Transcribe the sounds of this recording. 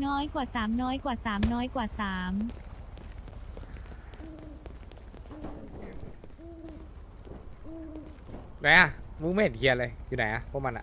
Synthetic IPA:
nɔː˦˥jkwaː˨˩saː˩˦mnɔː˦˥jkwaː˨˩saː˩˦mnɔː˦˥jkwaː˨˩saː˩˦m | na˨˦jʔa˧˩mu˧˥meː˥˩nkʰi˧ɐnlɤː˧jjuː˨˩na˨˦jʔa˧pʰɔː˦˥˨ma˧nʔa̰˧˨

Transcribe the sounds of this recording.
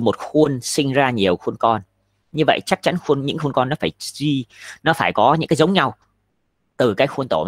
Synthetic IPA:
mo˨˩t̚xu˧ənsï˧ŋ̟zaː˧ɲi˨˩əwxu˧ənkɔ˧n | ɲɨ˧və̰˧˨jt͡ɕa˦˥k̚t͡ɕa˨˦nxu˧ənɲɨ̰˧˥ŋxu˧nkɔ˧nːɔ˨˦faː˧˩jzi˧nɔ˨˦faː˧˩jkɔ˨˦ɲɨ̰˧˥ŋkaː˨˦jzə˨˦wŋ͡mɲa˧w | t̪ɨ˨˩kaː˨˦jxu˧ənt̪o˧˩m˧

